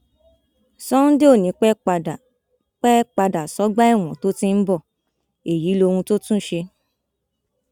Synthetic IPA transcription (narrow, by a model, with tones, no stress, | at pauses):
sɔ˦ũ˦de˦o˦˨nĩ˨˧k͡pɛ˦˧˨ | k͡pɛ˦k͡pa˧da˨sɔ˨˦ɡ͡ba˦ɛ˦˨w̃ɔ̰̃˨to˦tĩ˦n̩˦bɔ˦˨ | e˨ji˨˦lo˧hũ˧to˦tũ˦ʃe˧